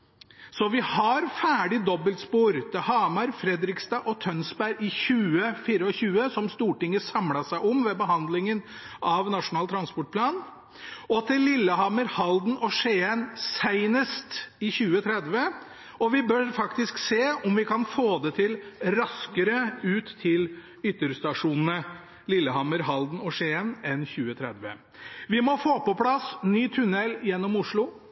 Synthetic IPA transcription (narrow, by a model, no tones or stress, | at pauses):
sɔʋɪhɑɾfæːɖɪd̪ɔbːəlspuːɾt̪ʰɪhɑːmɑɾfɾɛd̪ɾɪkst̪ɑːʔɔt̪ʰœnsbæɾɪçʉːəfiːɾəɔɕʉːəsɔmst̪uːʈɪŋːəsɑmlɑʂæɪʔɔmʋɛbəɦɑnd̪lɪŋənʔɑʋnɑʂʊnɑːlt̪ʰɾɑnspɔʈ̚pʰlɑːn | ɔt̪ʰɪlːɪlːəhɑːməɾhɑld̪n̩ʔɔʂeːənsæɪnəst̪ɪçʉːət̪ʰɾɛd̪ʋə | ɔʋɪbœɾfɑkt̪ɪskseːɔmʋɪkɑnfoːd̪ɛt̪ʰɪlɾɑskəɾəʉːt̪ʰːɪl | ʏt̪ːəɾst̪ɑʂuːnn̩ə | lɪlːəhɑməɾɦɑld̪n̩ɔʂeːənɛnçʉːət̪ʰɾɛd̪ʋə̰ | ʋɪmɔfoːpɔpʰlɑsnyːt̪ʰʉnɛlːjɛnːɔmʊʂɭʊ